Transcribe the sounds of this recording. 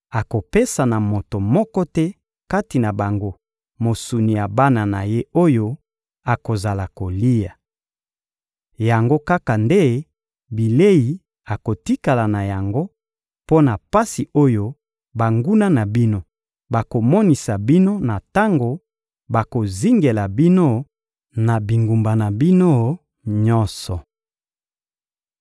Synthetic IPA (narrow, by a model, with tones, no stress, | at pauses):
a˨ko˨pe˦sa˨na˨mo˨to˨mɔ˦kɔ˦tɛ˦ | ka˦ti˨na˨ba˨ŋɡo˦ | mo˨su˨ni˨ja˨ba˦na˨na̰˨je˦o˦jo˦ | a˨ko˨za˨la˨ko˨li˦ja˨ | ja˨ŋɡo˦ka˦ka˨nde˦ | bi˨le˦ji˨ | a˨ko˨ti˦ka˨la˨na˨ja˨ŋɡo˦ | po˦na˨pa˦si˨o˦jo˦ | ba˨ŋɡu˦na˦na˨bi˦no˦ | ba˨ko˨mɔ˦ni˨sa˨bi˦no˦na˨ta˦ŋɡo˨ | ba˨ko˨zi˦ŋɡe˨la˨bi˦no˦ | na˨bi˨ŋɡu˨mba˨na˨bi˦no˦ | ɲɔ˦nsɔ˨